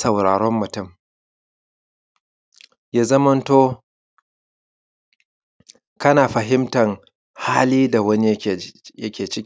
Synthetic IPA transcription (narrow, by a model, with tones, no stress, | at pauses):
sɐ˨wɽa̰ː˨ɽɔ˦mːʊ˨tʊ˦˨m | jaː˦zɐ˦mɐ˦ntoː˦ | kɐ˦naː˨ɸɐ˨ɦɪ˦mtɐ˨ŋ | haː˦liː˦da˨wɐ˦ni˦˨jɐ˦kʲʰeː˨t͡ʃɪ˦kʲː